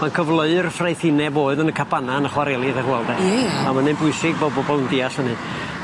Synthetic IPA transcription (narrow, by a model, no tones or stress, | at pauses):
mankʰəvlˠəɨrfrejθɪnɛboːɨðənəkʰabʰananəχwaɾɛlˠɪðərwɛlˠdɛamanɪnbʊɨsɪɡ̚bobɔbɔlˠəndiːaɬənɨ